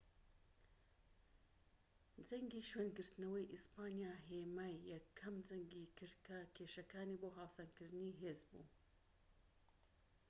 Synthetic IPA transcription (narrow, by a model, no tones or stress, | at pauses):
d͡zɐŋɡiːʃweːnɡɨɾt̪ɨnɐwɐjʔispaːnjaːɦemaːjːɛkʰːɐmd͡zɐŋɡikɨɾd̪kʰɐkʰeːʃɐkaːniːboːɦaːwsankɨɾd̪ɨniɦeːzbṵː